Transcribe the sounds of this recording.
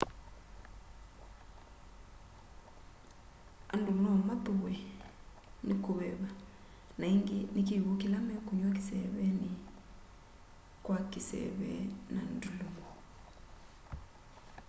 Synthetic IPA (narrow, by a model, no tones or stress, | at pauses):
andumnɔamat̪uβwɛ | nikuβɛβa | naiŋɡinikiβukilamɛkuɲwakisɛβɛni | kwakisɛ̰βɛ̰nan̩duluŋɡɔ